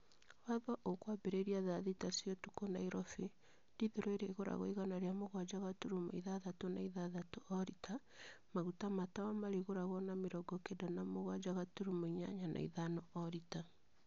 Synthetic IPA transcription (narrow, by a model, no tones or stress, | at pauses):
waðɔʔokwabeɾeɾiaðaðitasijɔtukonaiɾɔfi | ndiðeɾoeɾeɣoɾa̰ɣo̰iɣanaɾeamoɣwad͡ʒaɣatuɾumo̰iðaðatonaiðaðatoɔɾitʰa | maɣutamatawamaɾiɣoɾaɣɔnameɾɔɡɔkedanamoɣwad͡ʒaɣatuɾumoiɲa̰ɲanʔa̰iðanɔɔɾita